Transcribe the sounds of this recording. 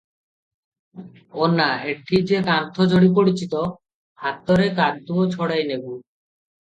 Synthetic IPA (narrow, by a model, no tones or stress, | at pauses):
onːaek̚ʈʰid͡ʑekant̪ʰod͡ʑoɽipoɽit͡ɕʰit̪o | hat̪ːoɾekadd̪uot͡ɕʰɔɽajnebu